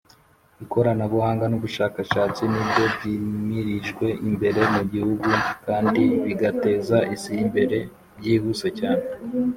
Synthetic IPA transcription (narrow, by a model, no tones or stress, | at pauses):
βiko̞ɾanaβuhaːŋɡanuβuʃaːkaʃaːt͡sinibjo̞bɟiːmiɾiʒɡwe̞ʔimbe̞ɾe̞muɟihuɡukaːndiβiɡate̞ːzaʔisiːmbe̞ɾe̞ | bɟiːhuse̞caːne